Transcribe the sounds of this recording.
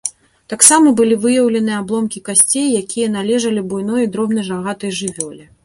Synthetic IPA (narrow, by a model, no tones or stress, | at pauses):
t̪aksamɐbɨlʲivɨjɐwlʲɛnɨjɛablˠɔmkʲikasʲt͡sʲejːakʲijɐn̪alʲɛʐɐlʲibujn̪ɔjɐd̪ɾɔbn̪ɐjʐaɣat̪ɐjʐɨvʲɔlʲi